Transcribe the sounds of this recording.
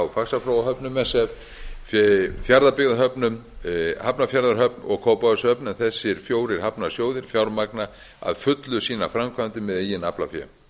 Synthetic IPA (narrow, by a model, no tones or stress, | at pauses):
wfaksafɾowaɦœpnʏmɛsɛv | fjaɾðapɪɣðaɦœpnʏmhapnafjaɾðaɾɦœp̚nɔ̰ɣkʰowpaðʏshœpnʏmθɛsːɪɾ̥fjoːwɾɪɾ̥hapnasjoːwðɪɾ̥fjawɾmak̚na | a̰ðfʏt̪lʏsiːna̰fɾamkʰant̪ɪmɛðejɪnapla̰fjɛ̰m